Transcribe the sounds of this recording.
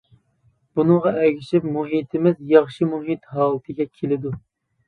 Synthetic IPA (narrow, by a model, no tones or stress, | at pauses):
b̥unɨŋʁɑʔɛɡʲiʃipmuɦit̪ʰɪmɪzjɑχʃimuɦit̪ɦɑːlˠɨt̪ʰɨɡʲɛkʲʰelɪd̪u